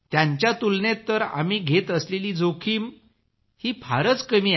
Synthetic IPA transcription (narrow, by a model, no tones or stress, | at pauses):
t̪jaɲt͡ɕjat̪ulnet̪ːəɾa̰miːɡʱet̪əsleliːd͡zokʰiːm | hiːpʰaɾət͡skəmiː